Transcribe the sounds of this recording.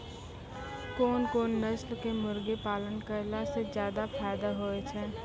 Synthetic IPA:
koːnkoːnːəslkemʊɾɡepaːlənkəɾlasezjaːd̪apʰaːɪd̪aɦoːet͡ʃʰɛː

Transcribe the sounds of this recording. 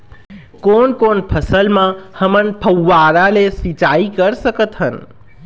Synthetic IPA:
koːnkoːnpʰəsəlmãhəmənpʰəwːaɾalesit͡ʃaikəɾsəkət̪ɦən

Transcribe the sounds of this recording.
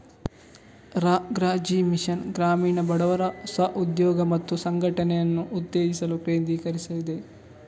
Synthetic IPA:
ɾaːɡɾaːd͡ʒiːmiʃɐnɡɾaːmiːɳɐbɐɽɐʋɐɾɐusɐʔud̪jɔːɡɐmɐt̪ːusɐŋɡʱɐʈɐnɛjɐnːuʔːd̪ːeːɡisɐlupeːnd̪iːkɐɾisɐʋid̪e

